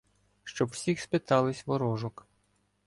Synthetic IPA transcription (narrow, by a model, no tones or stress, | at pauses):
ʃt͡ʃɔbwsʲixspɪt̪ɑlˠɪsʲʋɔɾɔʒɔk